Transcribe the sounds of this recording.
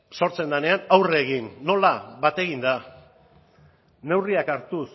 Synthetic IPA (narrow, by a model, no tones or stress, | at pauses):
so̞ɾt͡se̞nd̪ane̞anawreɣ̞inːo̞laβat̪e̞ɣind̪a | ne̞wriakaɾt̪us